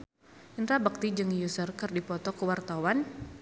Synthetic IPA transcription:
ʔənɾabək̚t̪id͡ʒɨŋjusərkərdipɔt̪ɔkəwart̪awan

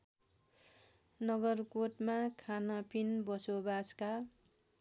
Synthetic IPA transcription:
nʌɡʌrkoʈmakʰanʌpʰinbʌsobaska

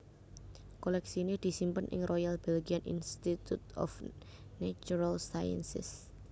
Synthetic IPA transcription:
kolɛksinid̪̥i̤simpənʔɪ̰ŋrʔojalb̥ɛlɡianʔḭnst̪it̪ut̪ɔ̰f | nat͡ʃuɾalsajə̰nsɪ̰s

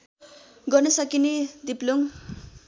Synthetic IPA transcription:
ɡʌrnʌsʌkinid̪ipluŋ

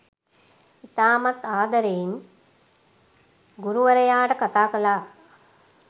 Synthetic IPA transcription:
it̪aːmɐt̪aːd̪ɐɾejin | ɡuɾuʋɐɾɐjaːʈəkat̪aːkɐlaː

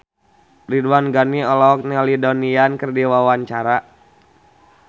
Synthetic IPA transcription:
riduwanɡaniɔlɔk̚nɛlidoɔniankərdiwawaɲt͡ʃaɾa

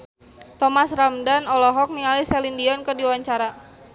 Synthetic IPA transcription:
t̪ɔmasramdanɔlɔɦɔk̚niŋalisɛlindiɔnkərdiwaɲt͡ʃaɾa

